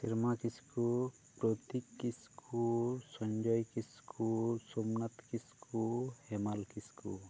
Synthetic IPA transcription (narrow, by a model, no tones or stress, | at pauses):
siɾmakisku | pɾɔt̪ikːiskʰusɔnd͡ʒɔjkiskʰusomnat̪kiskʰuhɛmalkiskṵ